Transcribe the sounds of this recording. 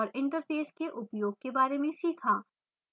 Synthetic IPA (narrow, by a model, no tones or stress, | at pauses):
ɾɪ̃ɳʈəɾpʰeːskeʔʊpjoːɡ̚kebaːɾemẽsiːkʰaː